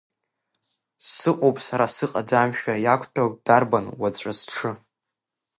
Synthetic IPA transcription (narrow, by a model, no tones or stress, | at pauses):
sɨqʼowpʼsaɾasɨqʼad͡zamʃᶣajakʷʼʰtʰad̥arbanwat͡sʷʼasʈ͡ʂʰɨ